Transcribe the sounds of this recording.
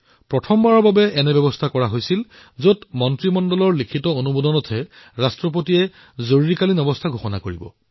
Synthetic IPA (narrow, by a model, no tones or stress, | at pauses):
pɹɔtʰɔmbaɹɔɹbabɛɛnɛbɛbɔstʰakɔɹaɦojsil | zotmɔntɹimɔndɔlɔɹlikʰitɔonubodɔnɔtʰɛ | ɹastɹɔp̬otiɛ | zoɹuɹikalinɔbɔstʰaɡʱoxɔna̰koɹibɔ̰